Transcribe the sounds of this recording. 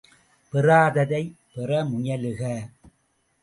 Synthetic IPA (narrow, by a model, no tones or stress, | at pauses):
pɪraːðɐðɐɪ | pɪrɐmʊjɐlɯɣɐ